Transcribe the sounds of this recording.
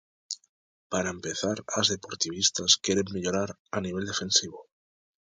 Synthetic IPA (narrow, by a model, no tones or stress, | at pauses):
paɾaempe̞θaɾazðe̞po̞ɾt̪iβ̞ist̪askje̞ɾe̞mːeʎoɾaɾ | aniβ̞e̞ld̪e̞fe̞nsiβ̞o